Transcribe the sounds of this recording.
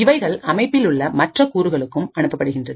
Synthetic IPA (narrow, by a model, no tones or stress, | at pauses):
ɪʋɐɪɣɐɭʔɐmɐɪpːɪlʊɭːɐmɐʈrɐkuːɾɯɣɐɭɯkːɯmɐɳɯpːɐpːɐɽɯɣɪndrɐð